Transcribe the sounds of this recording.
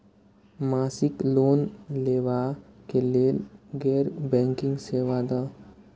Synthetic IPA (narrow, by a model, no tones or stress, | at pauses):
masikloːnleːʋakeleːlɡɛːɾbɛ̃ŋkɪ̃ŋɡseʋad̪a